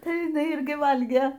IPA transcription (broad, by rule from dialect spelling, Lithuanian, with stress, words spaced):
ˈtɐɪ jɪˈnɐɪ ɪrʲˈɡʲɪ ˈʋɐlʲɡʲeː